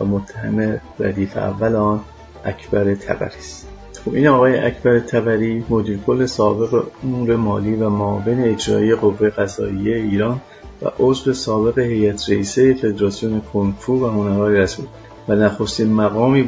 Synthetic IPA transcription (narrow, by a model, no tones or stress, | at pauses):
væmot̪ʰːæhæ̰me̞ɾæ̰d̪iːfḛæ̰vːæleɒːn | ʔæcʰbæɾe̞t̪ʰæ̰bæ̰ɾiːst̪ | xobiːnɒːɣɒːjeʔæcʰbæɾe̞t̪ʰæbæɾiːmo̞d̪iːɾkʰo̞lːe̞sɒːbe̞ɣe̞̰ouɾe̞mɒːliːvæmoːve̞ne̞ed͡ʒɾɒ̰ːʔije̞ɣo̞vːe̞je̞ɣæzɒ̰ːijejeiːɾɒːn | væ̰ʔozve̞sɒːbe̞ɣe̞he̞jæt̪ʰɾeiːsejefe̞d̪ɾɒsijone̞kʰonfuːvæho̞næɾɒːjeɾæsbuːl | vænæxost̪iːnmæɣɒːmiː